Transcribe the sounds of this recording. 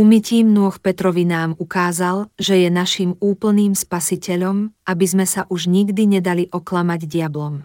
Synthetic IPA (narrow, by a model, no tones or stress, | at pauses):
umiciːmnʊɔxpɛt̪ɾɔʋinaːmukaːzalʒɛjɛnaʃimuːpl̩niːmspasicɛʎɔmabizmɛsaʔuʒɲiɡd̪iɲɛd̪aliʔɔklamaɟdɪablɔm